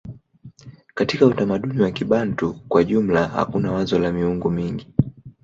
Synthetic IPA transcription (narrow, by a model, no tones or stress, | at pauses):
katikautamaɗuniwakiɓantukwaʄum̩laha̰kunawazɔlamiuŋɡumiŋɡi